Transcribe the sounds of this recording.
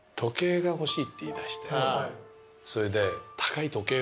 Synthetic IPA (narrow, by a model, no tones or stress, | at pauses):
t̪ʰo̞ke̞ːɡaho̞ɕiːt̪ːe̞iːd̪aɕi̥t̪e | so̞ɾe̞d̪e̞t̪ʰḁkait̪o̞ke̞ː